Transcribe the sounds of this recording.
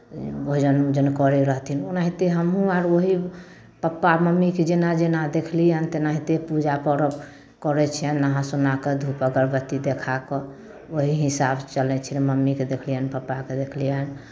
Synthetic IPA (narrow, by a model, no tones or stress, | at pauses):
oɦid͡ʒənd͡ʒənkɔɾiɾəɦt̪ʰinonaɦit̪eɦəmɦũaɾoɦi | pəpːaməmːiked͡ʒenad͡ʒenad̪ekʰlijənt̪enaɦit̪epud͡ʒapəɾəb | kəɾɛt͡ʃʰijənːaɦãsunaked̪ʱupəɡəɾbət̪ːid̪ekʰakɔ | oɦiɦisabt͡ʃəlɛt͡ʃʰieməmːiked̪ekʰlijənpəpːaked̪ekʰlijən